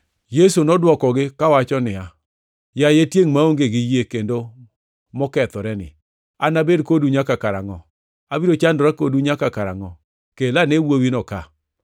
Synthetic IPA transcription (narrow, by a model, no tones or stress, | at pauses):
jesonɔdwɔkɔɡɪkawat͡ʃɔnɪa | jajetjeŋmaoŋɡeɡɪjekendo | mɔkɛt̪ɔɾɛnɪ̰ | anabedkoduɲakakaɾaŋɔ | abiɾot͡ʃandɔɾakoduɲakakaɾaŋɔ | kelanewowinɔka